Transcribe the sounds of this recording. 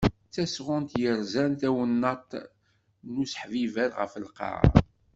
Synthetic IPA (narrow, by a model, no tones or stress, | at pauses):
t͡sːæsʁʊnt̪jəɾzænt̪æwənːɑt̪ | nusħvivæɾʁə̰fəlqɑ̰